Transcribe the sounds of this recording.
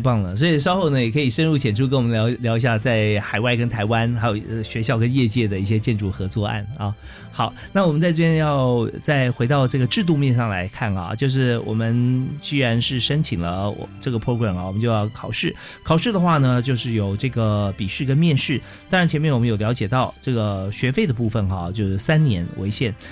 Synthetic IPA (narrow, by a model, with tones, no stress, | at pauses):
pɑ˥˩ŋlə˩s̬wɔ˧˥i˨˩ʂ̬ɑ˥ʊxo˥˩ʊnə˩jɛ˨˩kʰɤ˧˥i˨˩ʂə˥nɻu˥˩t͡ɕʰjɛ˨˩nʈ͡ʂʰu˥kə˥nwɔ˨˩mə˦n˧˥ʊljɑ˧˥ʊi˧ɕja˥˧t͡sa˥˩ɪxa˨˩ɪwa˥˩ɪkə˥nt̪ʰa˧˥ɪwa˥nxa˥jo˨˩ʊ˧ɕɥɛ˧˥ɕjɑ˥˩ʊkə˥njɛ˥˧t͡ɕjɛ˥˩d̪ə˩i˥˩ɕ̬jɛ˥t͡ɕjɛ˥˧nʈ͡ʂu˥˩xɤ˧˥t͡swɔ˥˧a̰˥˩nɐ˧ | xɑ˨˩ʊna˥˩wɔ˨˩mə˦nt͡sa˥˧ɪʈ͡ʂɤ˥˩jɛ˥njɑ˥˧ʊt͡sa˥˩ɪxwe˧˥ɪt̪ɑ˥˧ʊʈ͡ʂɤ˥˩ɡə˩ʈ͡ʂɻ̩˥˧t̪̬u˥˧mjɛ˥˧nʂɑ˥˩ŋla̰˧˥ɪkʰa˥˩nɐ̰˨˩t͡ɕjo˥˧ʊʂ̬ɻ̩˥˩wɔ̰˨˩mə˦nt͡ɕi˥ɻa˧˥nʂɻ̩˥˩ʂə˥nt͡ɕʰi˨˩ŋlə˦ɔ̰˨˩ʈ͡ʂɤ˥˩ɡə˩pʰɔ˥ɡɹa˨˩mɐ˨˩wɔ˨˩mə˦nt͡ɕjo˥˧jɑ˥˩ʊkʰɑ˨˩ʊʂɻ̩˥˩ | kʰɑ˨˩ʊʂɻ̩˥˩d̪ə˩xwa˥˩nə˩t͡ɕjo˥˧ʊʂɻ̩˥˩jo˨˩ʊʈ͡ʂɤ˥˩ɡə˩pi˨˩ʂɻ̩˥˩kə˥nmjɛ˥˧nʂɻ̩˥˩ | t̪ɑ˥ŋɻnt͡ɕʰɛ˧˥nmjɛ˥˩nwɔ˨˩ə˦jo˨˩ljɑ˧˥ʊt͡ɕjɛ˨˩t̪ɑ˥˧ʊʈ͡ʂɤ˥˩ɡə˩ɕɥɛ˧˥fe˥˩ɪd̪ə˩pu˥˩fə˨˩nxɐ̰˧˦t͡ɕjo˥˧ʊʂɻ̩˥˩sa˥nnjɛ˧˥nwḛ˧˥ɪɕjɛ˥˩n